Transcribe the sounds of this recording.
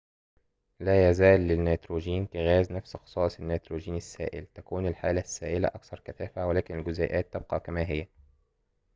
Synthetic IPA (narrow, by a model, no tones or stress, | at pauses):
læːjæzæːlːɪnːaːt̪ɾoːʒiːnkæɣæːznæfsxɑ̥sˤɑːsˤɪnːet̪ɾoːʒiːnɪsːæ̰ːʔɪ̰lt̪ækuːnɪlħaːlæsːaːʔɪlæ̰ʔɑ̰kθɑɾˤkæθæːfæwɪlæːkɪnɪlɡʊzæːʔæːt̪ːeb̚qɑkæmæːɦɪjːæ